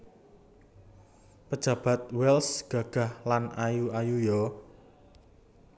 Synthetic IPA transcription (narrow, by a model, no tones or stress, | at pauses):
pəd̥ʒ̥ä̤b̥a̤t̪̚wɛlsɡ̥ä̤ɡ̥ä̤hlanajuajujɔ